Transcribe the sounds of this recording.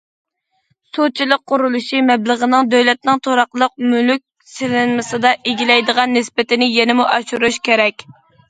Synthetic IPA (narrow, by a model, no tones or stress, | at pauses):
sot͡ʃʰilˠəq̚ːʊɾulˠuʃimɛbləʁənɨŋd̪øwlɛt̪̚nɨŋt̪ʰoɾɑqlˠəq̚mylyk̚ʲ | sɪlɪnmɨsɨd̪ɑʔeɡʲilɛjd̪əʁɑnːɪspɪt̪ɪnɪjɛnɪmuʔɑʃuɾuʃkʲʰeɾɛkʲ